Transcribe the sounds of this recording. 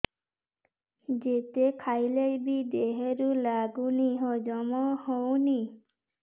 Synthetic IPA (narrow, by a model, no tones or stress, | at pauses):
d͡ʒet̪ekʰajlejbid̪eɦeɾulaɡuniɦɔd͡ʒɔmɔhowni